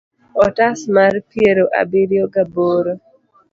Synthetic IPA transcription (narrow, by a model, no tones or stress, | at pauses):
ɔtasmarpjeɾoʔa̰biɾjoɡaboɾo